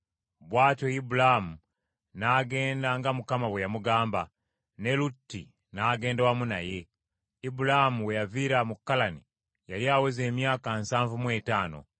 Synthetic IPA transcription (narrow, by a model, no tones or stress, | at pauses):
βwaːtoibulamu | naɡe̞ːndaŋɡamukamaβwejamuɡaːmba | ne̞lutːḭ | naːɡe̞ːndawamuna̰je̞ | ibulahamuwe̞javiɾamukːalani | jaɾiaweze̞ːmjaːkansaːɱvumwe̞taːno̞̰